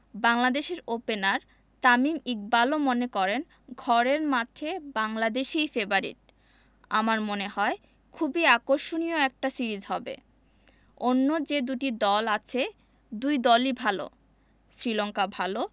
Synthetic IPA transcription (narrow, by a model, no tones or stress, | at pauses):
baŋlad̪eʃeɾopenaɾ | t̪amimik̚balomonekɔɾen | ɡʱɔɾeɾmat̪ʰebaŋlad̪eʃijfebaɾḭʈ̚ | amaɾmonehɔe | kʰubiakoɾʃonijoɛk̚ʈasiɾid͡ʑɦɔbḛ | onːod͡ʑed̪uʈid̪ɔlat͡ɕʰe | d̪ujd̪ɔlibʱalo̰ | sɾilɔŋkabʱalo